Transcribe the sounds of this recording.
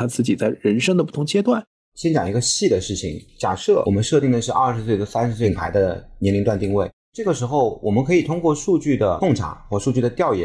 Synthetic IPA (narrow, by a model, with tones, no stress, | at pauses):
t̪ʰa˥t͡sɹ̩˥˩t͡ɕi˨˩t͡sa˥˩ɪɻə˧˥nʂɤ˥ŋd̪ə˧p̬u˥˩t̪ʰʊ˧˥ŋt͡ɕjɛ˥t̪wa˥˩n | ɕjɛ˥nt͡ɕjɑ˨˩ŋi˧˥ɡə˧ɕi˥˩d̪ə˩ʂɻ̩˥˩t͡ɕʰḭ˨˩ŋt͡ɕja̰˨˩ʂɤ˥˩wɔ˨˩mə˦nʂɤ˥˧t̪i˥˩ŋd̪ə˩ʂɻ̩˥˧ʔɐ˥˩ʂɻ̩˧˥s̬we˥˩ɪt̪ə˥˩sa˥nʂɻ̩˧˥swe˥˩ŋpʰa˧˥ɪd̪ə˧njɛ˧˥nli˧˥ŋt̪wnt̪i˥˧ŋwe˥˩ɪ | ʈ͡ʂɤ˥˩ɡə˩ʂɻ̩˧˥xo˧ʊwʔɔ̰˨˩mə˦nkʰɤ˧˥i˨˩t̪ʰʊ˥ŋkwɔ˥˧ʂu˥˧t͡ɕy˥˩d̪ə˩kʊ˥˩ŋʈ͡ʂʰa̰˨˩˦xwɔ˥˧ʂu˥˧t͡ɕy˥˩d̪ə˩t̪jɑ˥˧ʊjɛ̰˥˩˦